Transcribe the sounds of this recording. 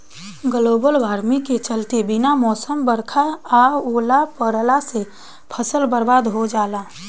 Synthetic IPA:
ɡəloːbəlʋaːɾmiket͡ʃəlt̪ebɪnamɔːsəmbəɾkʰaaoːlapəɾlase | pʰəsəlbəɾbaːd̪ɦod͡ʒaːlaː

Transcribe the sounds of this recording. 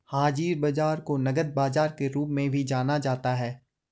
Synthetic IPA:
haːd͡ʒiːɾbɐd͡ʒaːɾkonɐɡəd̪̚baːd͡ʒaːɾkeɾuːpmẽbʱid͡ʒaːnad͡ʒaːt̪aɦɛː

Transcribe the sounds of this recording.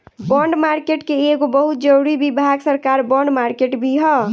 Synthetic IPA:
bɔɳɖmaɾkeʈkeeɡobəɦut̪̚d͡ʒəɾuɾibibʱaɡsəɾkaɾbɔɳɖmaɾkeʈbʱiɦɔ

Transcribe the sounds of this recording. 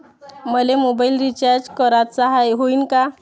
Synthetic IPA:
məlemobailɾit͡ɕaɾd͡ʑkɔɾat̪saɦajɦoiːnka

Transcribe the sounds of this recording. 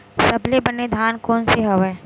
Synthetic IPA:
sɐblebɐnːed̪ʱaːnkoːnseɦɐʋe

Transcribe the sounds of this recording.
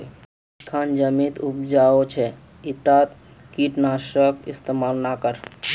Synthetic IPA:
kʰand͡ʒəmit̪up̚d͡ʒaot͡ʃʰɛ | it̪at̪ | kiʈnaʃəkist̪emalnakəɾ

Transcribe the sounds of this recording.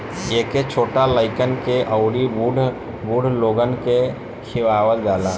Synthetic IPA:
eːket͡ʃʰoːʈaləɪkənkeʔəʊɾiuɖ | buɽʱloːɡənke | kʰɪʋaːwəldaːlaː

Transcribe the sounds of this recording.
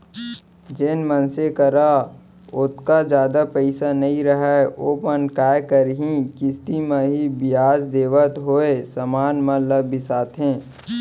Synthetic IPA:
d͡ʒenmənsekəɾa | ʊt̪kad͡ʒjaːd̪apəɪsanɐɦĩɾəɦɛoːpənkaːjkəɾɦĩkɪst̪imẽɦibɪjaːzd̪eːʋət̪ɦoːesəmaːnmə̃ləbʱːɪsaːt̪ʰɦẽː

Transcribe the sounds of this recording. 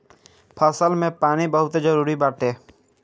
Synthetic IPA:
pʰɐsəlmẽpaːnibəɦʊt̪d͡ʒəɾuːɾibaːʈeː

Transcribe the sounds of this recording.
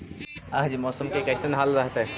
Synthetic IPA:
aɦd͡ʒimɔːsəmkekɐɪsənɦalɾəɦt̪e

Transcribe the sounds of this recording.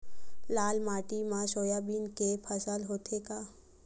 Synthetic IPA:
laːlmaːʈimãʃoːjabiːnkepʰəsəlɦoːt̪ʰeka

